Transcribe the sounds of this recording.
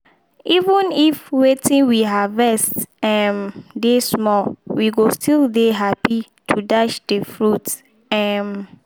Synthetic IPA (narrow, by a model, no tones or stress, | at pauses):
ivə̃nifwetĩnwiɦavɛstɛmdesmɔwiɡostildeɦapi | tʰudaʃd̥əfɹut | ɛm